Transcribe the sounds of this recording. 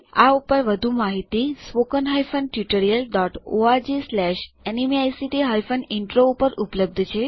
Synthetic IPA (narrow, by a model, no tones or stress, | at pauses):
aupəɾʋəd̪ʱumaɦit̪isʋokənɦajfʰənʈjuʈəɾijəlɖɔʈoad͡ʒeslɛʃɛnimiajsiʈiɦajfənɪɳʈɾoupəɾupləb̚d̪ʱt͡ʃʰe